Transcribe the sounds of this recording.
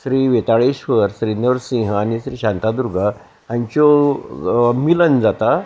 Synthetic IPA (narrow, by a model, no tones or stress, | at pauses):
sɾiːʋet̪aɭeɕʋəɾsɾinəʋɾsĩɦəanisɾiːɕant̪ad̪uɾɡʱə | ãɲt͡ɕɔ | milənd͡zat̪a